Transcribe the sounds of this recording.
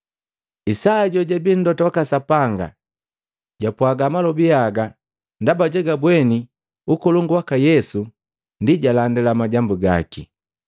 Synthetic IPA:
isaːɟɔɟabin̩dɔtawakasapaŋɡa̰ | ɟapwaɡamalɔbiaɡa | ndabaɟɛɡabwɛni | ukɔluŋɡuwakajɛsu | ndiɟalandɛlamaɟambuɡa̰ki

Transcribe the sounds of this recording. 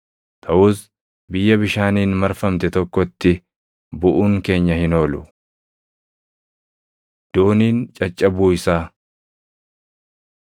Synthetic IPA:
t̪ʰɐʔuːs | bɪjːɐbɪʃaːniːnmɐɾfɐmt̪ɛt̪ɔkːɔt̪ːɪ | bʊʔuːŋke̞ːɲːɐhɪno̞ːlʊ | d̪̥oːniːnt͡ʃʼɐt͡ʃʼːɐbuːɪsaː

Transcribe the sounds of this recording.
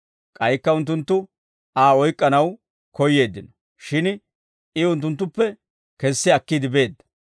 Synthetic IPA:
kʼɐjkːɐʊnt̪̬ːʊnt̪ːʊ | aːɔjkʼːɐnɐw | kɔjːe̞ːd̪ːɪnɔ̥ | ʃɪn | ɪʊnt̪ːʊnt̪ːʊpːɛ | kɛsːɪɐkːiːd̪ɪbe̞ːd̪ːɐ̥

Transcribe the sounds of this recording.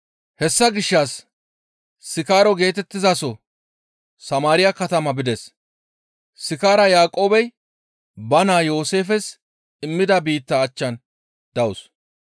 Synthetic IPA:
hɛsːɐɡɪʃːas | ɪkaːɾɔɡe̞ːt̪ɛt̪ːɪzɐsɔ | sɐmaːɾɪjakɐt̪ɐmɐbɪd̪ɛs | sɪkaːɾɐjaːkʼo̞ːbɛj | bɐnaːjo̞ːse̞ːfɛs | ɪmːɪd̪ɐbiːt̪ːɐːt͡ʃːɐn | d̪̥ɐʊs

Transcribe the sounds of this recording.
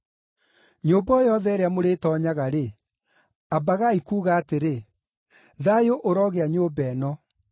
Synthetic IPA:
ɲoːbɔjɔðɛɾeamoɾetɔːɲaɣaɾe | abaɣaikuːɣaːteɾe | ðajoʔoɾɔɣeaɲoːbɛːnɔ

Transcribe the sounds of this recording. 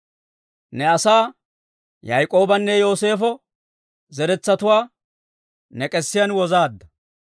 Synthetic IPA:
nɛɐsaː | jɐjkʼo̞ːbɐnːɛjo̞ːse̞ːfɔ | zɛɾɛt͡sːɐt̪ʊwaː | nɛkʼɛsːɪjɐnwɔzaːd̪ːɐ

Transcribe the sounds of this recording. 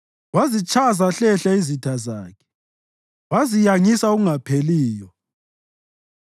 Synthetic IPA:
wazit͡ʃʰʼazaɬɛɬaizitʰaza̰ːkʰɛ̥ | wazijaŋisauɣuŋapʰeliːjɔ

